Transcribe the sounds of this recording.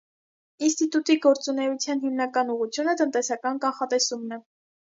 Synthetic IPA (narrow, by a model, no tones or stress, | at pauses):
inst̪it̪ut̪iɡɔɾt͡sunɛut͡sʰjɑnɦimnɑkɑnuʁut͡sʰjunət̪ənt̪ɛsɑkɑnkɑnχɑt̪ɛsumnɛ